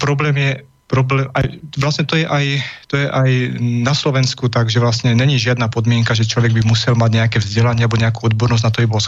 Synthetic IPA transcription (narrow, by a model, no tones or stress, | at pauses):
pɾɔblɛːmjɛ | pɾɔblɛːmajʋlasɲɛt̪ɔjɛʔajt̪ɔjɛʔajnaslɔʋɛnskut̪aɡʒɛʋlasɲɛɲɛɲiʒɪad̪napɔd̪mɪɛŋkaʒɛt͡ʃlɔʋɛɡbimusɛlmaɟɲɛakɛvzɟɛlaɲɪɛabɔɲɛakuːɔd̪bɔɾnɔznat̪ɔbibɔs